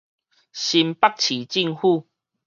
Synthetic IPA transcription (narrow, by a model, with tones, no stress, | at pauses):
ɕi˧mpa˦k̚t͡ɕʰi˨˩t͡ɕi˥˧ŋhu˥˧˨